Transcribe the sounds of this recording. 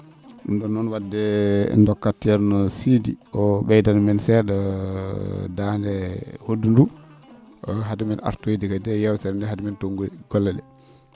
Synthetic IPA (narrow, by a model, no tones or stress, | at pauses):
undɔnːɔnwadːɛɛ̰ndɔkːatːiɛɾnɔsidiɔɓɛjdanmɛnsɛɗɔ | dandɛhodːundu | ɔɦadumina̰ɾtodikadɛjɛwsɛɾndɛhadumintoŋɡuɡɔlːɛɗɛ̰